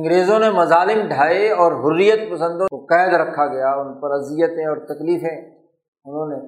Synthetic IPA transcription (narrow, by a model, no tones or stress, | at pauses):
ɐ̃ŋɡɾeːzõnemɐzaːlɪmɖʱaːeɔːɾɦʊrːijət̪̚pɐsə̃nd̪õkoqɛːd̪ɾɐkʰːaɡɐjaʊnpɐɾɐzijət̪ẽɔːɾt̪ɐkliːfẽ | ʊnɦõne